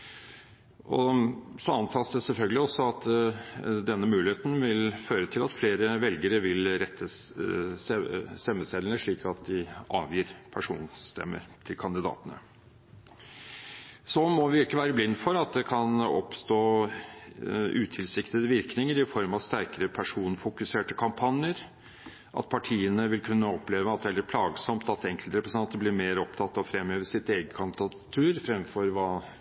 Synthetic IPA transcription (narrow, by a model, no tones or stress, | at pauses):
ʔɔsɔɑnt̪ʰɑːsd̪ɛsɛlfœlɡəlɪɔsɔɑt̪ | d̪ɛnːəmʉːlɪheːt̪n̩ʋɪlføːɾət̪ʰɪlɑt̪fleːɾəʋɛlɡəɾəʋɪlɾɛt̪ʰːə | sst̪ɛmːəst̪ɛd̪ənəʂɭiːkʰɑt̪̚d̪ɪɑːʋjiːɾpʰæʂṵːnst̪ʰɛ̰mːə̰ɾt̪ʰɪlkʰɑnd̪ɪd̪ɑ̰ːt̪ənə̰ | sɔmɔʋɪɪkːəʋæːɾəblɪnːfɔɾɑt̪̚d̪ɛkʰɑnɔ̰pst̪oː | ʔʉːt̪ʰɪlsɪkt̪əd̪əʋɪɾknɪŋəɾɪfɔɾmɑst̪æɾkəɾəpʰæʂuːnfʊkʉseːʈəkʰɑmpʰɑnjəɾ | ʔɑ̰t̪̚pʰɑʈʰiːənəʋɪlkʰʉnːəɔpleːʋəɑt̪̚d̪ɛæləɾpʰlɑːɡsɔmt̪ɑt̪ɛŋkəlt̪ɾɛpɾəsɑnt̪ːəblɪːɾmeːɾɔpt̪ʰɑt̪ːɑʋfɾɛmːøːʋəʂɪt̪eːɡət̪kʰɑnd̪ɪd̪ɑ | t̪ʰʉːɾfɾɛmfɔɾʋɑː